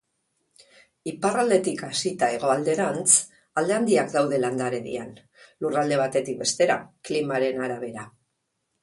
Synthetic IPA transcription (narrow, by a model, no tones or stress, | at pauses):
iparald̪e̞t̪ikasit̪ae̞ɣ̞o̞ald̪e̞ɾant͡s | ald̪e̞and̪iakd̪awðe̞land̪aɾe̞ðḭan | lurald̪e̞β̞at̪e̞t̪ik̚be̞st̪e̞ɾa̰klimaɾe̞naɾaβ̞e̞ɾa